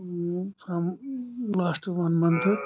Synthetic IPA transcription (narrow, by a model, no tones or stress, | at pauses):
fʰɾʌ̃mlaːsʈʋʌnmʌ̃nt̪ʰ